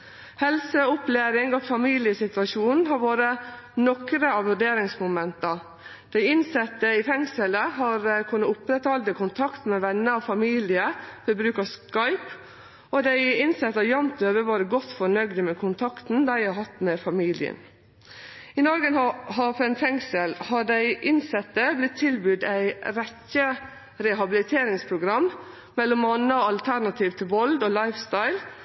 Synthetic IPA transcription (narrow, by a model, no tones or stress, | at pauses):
hɛlsəʊpleːɾɪŋɔfɑmiːlɪəsɪt̪ʋɑʃuːnn̩ɦɑɾʋoːɾənɔkɾəɑʋʋʉɖeːɾɪŋsmʊmɛnt̪ɑ | d̪̥æɪɪnsɛt̪ːəɪfɛŋsələɦɑɾkʰʉnːəʊpɾɛt̪hɑld̪əkʰʊnt̪ʰɑkt̪mɛʋɛnːəɑʋfɑmiːlɪəfɪbɾʉːkɑskɑɪp | ʔɔd̪æɪɪnsɛt̪ːɑjɑmt̪øːʋəʋɑːɾəɡɔt̪ːfɔɳœɡd̪əmɛkʰʊnt̪ʰɑkt̪n̩d̪æɪhɑɦɑt̪mɛfɑmiːlɪ̰ə̰n | ɪnɔɾɡənɑhɑfɛnfɛŋsəlhɑɖæɪʔɪnsɛt̪ːəblɪt̪ʰːɪlbʉd̪æɪɾɛçə | ɾɛɦɑbɪlɪt̪ʰeːɾɪŋspʰɾʊɡɾɑm | mɛlːɔmɑnːəɑlt̪ʰæɾnɑt̪ʰiːʋt̪ʰɪlʋɔld̪ɔːlɑɪfst̪ɑɪl